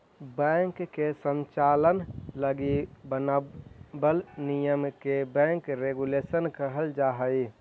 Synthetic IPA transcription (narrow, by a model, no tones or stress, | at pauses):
bɛ̃ŋkːesə̃ɲt͡ʃalənləɡibən | bəlnijəmkebɛ̃ŋkɾeɡulesənkəɦəld͡ʒaːɦəi